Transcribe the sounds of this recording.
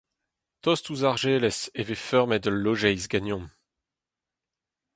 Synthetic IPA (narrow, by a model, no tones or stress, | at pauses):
t̪ɔst̪uzaʁʒeːlɛsevefœʁmɛdəlːoʒɛjzɡanjɔ̃m